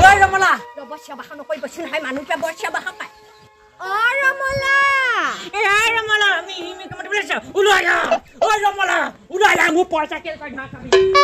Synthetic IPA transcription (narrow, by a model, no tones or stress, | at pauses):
ojɹɔmɔladɔbɔsijabahanɔkoɹibɔsinɦɔjmanukibabɔɹsjabaɦapaj | ɔɹɔmɔla | ɔɹɔmɔlamiimikɔmɔtibulas̬ãulajaojɹɔmɔla | ulalamupɔɹsakɛlkɔjnakabi